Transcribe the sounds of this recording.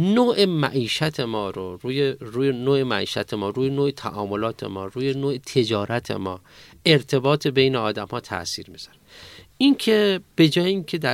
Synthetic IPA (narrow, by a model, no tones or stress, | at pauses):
noːʔemæʔiːʃæt̪ʰe̞mɒːɾoɾuːjeɾuːjenoːemæʔiːʃæt̪ʰemɒːɾuːjenoːet̪ʰæ̰ʔɒːmo̞lɒːt̪ʰe̞̰mɒːɾuːjenoːet̪ʰe̞d͡ʒɒːɾæt̪ʰḛmɒː | eɾt̪ʰe̞bɒːt̪ʰebejneɒːd̪æmhɒːt̪ʰæ̰ʔsḭːɾmiz̥aɾ | incʰeb̥e̞d͡ʒɒːjeinkʰe̞d̪æ